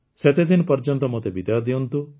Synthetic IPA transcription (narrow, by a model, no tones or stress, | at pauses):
set̪ed̪inɔpɔɾd͡ʒɔnt̪ɔmot̪ebid̪ajɔd̪iunt̪u